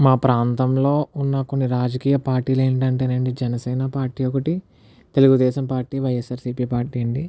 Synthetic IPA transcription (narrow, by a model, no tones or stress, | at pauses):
maːpɾaːnt̪ɐmlo̞ːunːɐko̞nːiɾaːd͡ʒɐkiːjɐpaːɾʈːiːleːɳʈɐɳʈeːneɳɖid͡ʒɛnɐsɛːnɐpaːɾʈiːɔkɐʈi | t̪e̞luɡud̪ɛːʃɐmpaːɾʈːiːʋɐjesaːɾsiːpiːpaːɾʈiːɐɳɖi